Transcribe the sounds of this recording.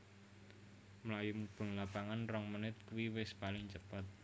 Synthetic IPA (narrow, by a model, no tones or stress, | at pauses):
mlajumub̥ə̤ŋlapaŋanrɔŋmənɪt̪̚kuwiwɪspalɪŋt͡ʃəpat̪̚